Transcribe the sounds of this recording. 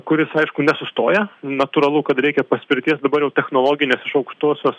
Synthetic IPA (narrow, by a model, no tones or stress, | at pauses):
kʊɾʲɪsɐɪʃkʊnʲɛsʊst̪oːjɛnɐt̪ʊɾɐlˠukɐt̪ɾʲɛɪkʲɛpɐsʲpʲɪɾʲt̪ʲiɛsd̪ɐbɐɾjɛʊt̪ʲɛxnoːlˠoːɡʲɪnʲeːsɪʃɐʊkʃt̪uɔsʲoːs